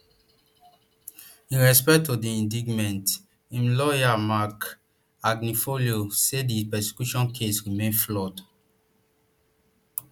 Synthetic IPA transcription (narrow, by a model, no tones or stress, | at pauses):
ĩnɹɛspɛk̚tːodiĩndiɡmɛ̃nt | ĩmlɔjamak | aɡnifoliosedipɛse̥kjuʃɔ̃nkʰesɹimẽflɔd